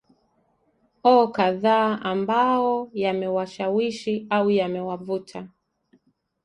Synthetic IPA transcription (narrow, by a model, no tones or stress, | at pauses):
ɔːkaðaːʔambaɔjamɛwaʃawiʃiawujamɛwavutʰa